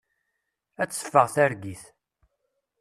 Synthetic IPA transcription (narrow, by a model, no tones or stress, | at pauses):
æt͡sːə̥fːəʁθæɾɡiθ